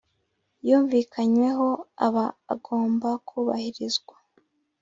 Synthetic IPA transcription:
juːɱviːkʰaɲwe̞ɦo̞a̰βa̰ːɡo̞ːmbakʰuːβa̰hiɾizɡwa

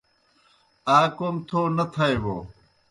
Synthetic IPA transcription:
aːkomt̪ʰoːnɐt̪ʰɐeboː

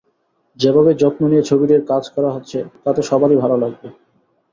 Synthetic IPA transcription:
d͡ʑebʱabed͡ʑɔt̪̚moniet͡ɕʰobid̪eɾkad͡ʑkɔɾaɦot̪ːɕʰet̪at̪eʃɔbaɾibʱalolaɡ̚be

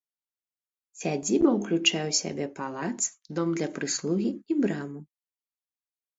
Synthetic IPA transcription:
sʲad͡zʲibɐwklʲut͡ʂajɛwsʲa̰bʲɛpalˠat̪sd̪ɔmd̪lʲɐpɾɨslˠuɣʲiibɾamu

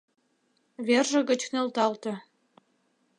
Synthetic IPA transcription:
βerʒə̆ɣə̆t͡ɕnĕlt̪ɑlt̪ɤ̆

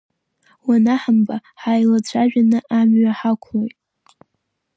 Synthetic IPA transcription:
wanaħambaħajlat͡ɕʷʰaʒᶣanɨʔamɥaħakʷʰlojtʼ

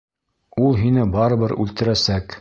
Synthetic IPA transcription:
ulˠɦinɘbɑɾɤ̆βɤɾʉ̰lt̪ɘ̆ɾæsæk

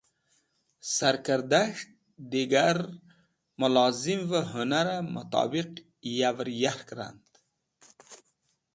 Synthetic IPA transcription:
saɾkəɾd̪aʂt̪̚ | d̪iɡaɾ | mʊlɑzimvəɦʊnaɾamʊ̰t̪ɑ̰ːbiq | javɾjahkɾa̰nd̪

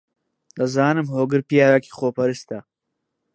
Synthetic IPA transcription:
d̪ɐzaːnɨmhoːɡɨɾpijaːɾaki̥xoːpɐɾɨst̪a

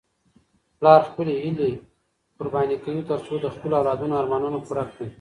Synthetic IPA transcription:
plɑɾxpəleɦile | pʊɾbɑjnikawit̪əɾsod̪əxpəloawlɑd̪unoaɾmɑnunakuɽaki

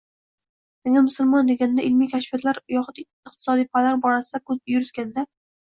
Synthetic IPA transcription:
neŋʲamʊsʊlˠmɒnd̪eɡʲanɪd̪aʔɪlmijkʲʰaʃfijat̪laɾjɒχʊt̪ | ɪq̚t̪ʰɪ̥sɒd̪ijpʰalaɾbɒɾasɪd̪akʰɵzjʊɾɪskʲand̪a

